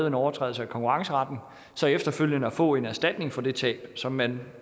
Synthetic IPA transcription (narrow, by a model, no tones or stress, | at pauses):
ð̩ˠe̝nɒʊɐt͡sʰʁɛ̰ːðl̩səækʰɒ̽ŋkuʁɑ̈ŋsəʁɑ̈d̥n̩ | sɒ̽efd̥ɐføl̰jənəæfɔ̰̽ːe̝næɐsd̥æd̥ne̝ŋfɒ̽d̥e̝t͡sʰɛ̰ːb̥sɒ̽mːæn